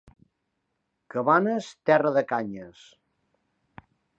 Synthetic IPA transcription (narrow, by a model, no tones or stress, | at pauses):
kəβanəst̪ɛrəðəkaɲəs